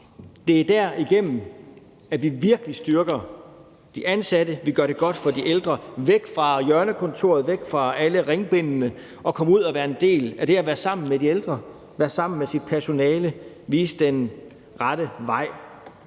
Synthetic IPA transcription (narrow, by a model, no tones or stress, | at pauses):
d̥e̝æɐd̥æɐiɡ̥en̰m̩ | æʋiʋiɐɡ̥əlisd̥yɐɡ̥ɐ | d̥iʔænsæd̥əʋiɡ̥ɶɐɾ̥e̝ɡ̥ɒ̽d̥fɒ̽d̥iʔeld̥ʁɐʋeɡ̥fʁɑ̈jœɐnəkʰɔ̽nt͡sʰo̝̰ɐ̰ð̞̩ˠʋeɡ̥fʁɑ̈æləʁeŋb̥e̝nnə | ɒ̽kʰɒ̽muð̰ˠæʋæːɐe̝nd̥e̝̰ːlæɾ̥e̝æʋæːɐsɑ̈m̰n̩medield̥ʁɐ | ʋæːɐsɑ̈m̰n̩mesid̥̚pʰæɐso̝nɛːlə | ʋiːsd̥en | ʁɑɾ̥əʋɑ̈ɪ̰